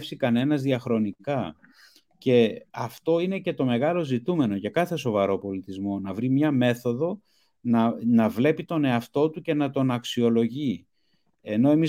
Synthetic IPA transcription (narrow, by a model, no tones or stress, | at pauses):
fsikɐne̞nɐzðiɐxɾo̞nikɐ | ce̞ɐft̪o̞ine̞ce̞t̪o̞me̞ɣɐlo̞zit̪ume̞no̞ʝɐkɐθe̞so̞vɐɾo̞po̞lit̪izmo̞nɐvɾimɲɐme̞θo̞ðo̞ | nɐnɐvle̞pit̪o̞ne̞ɐft̪o̞t̪uce̞nɐt̪o̞nɐksio̞lo̞ʝi | eno̞e̞miz